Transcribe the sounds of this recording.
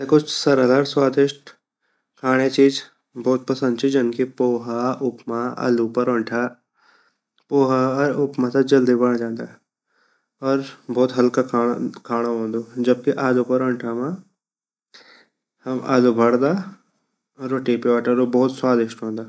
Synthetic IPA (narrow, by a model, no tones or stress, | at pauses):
ekʊt͡ʃʰsɐɾad̪aːɾswaːd̪ɪʃʈ | kʰaːɽ̃et͡ʃiːd͡ʒ | bɔːt̪̚pɐsə̃nd̪̚t͡ʃʰid͡ʒɐnkipoːɦaʊpmaa̰ːlupɐɾɐ̃ɳʈʰa | poːɦaɾʊpmat̪ad͡ʒɐld̪ibɐɽ̃d͡ʒãːnd̪aɦɛ | ɔːɾbɔːt̪ɦɐlkakakʰaːɽ̃õɦõːnd̪oːd͡ʒɐb̚kiʔaːlupɐɾɐ̃ɳʈʰamã | hɐma̰ːlubʱɐɽd̪aː | ɔɾoːʈiːpiʋaːʈəɾobɔːt̪swaːd̪ɪʃʈɦõːnd̪aː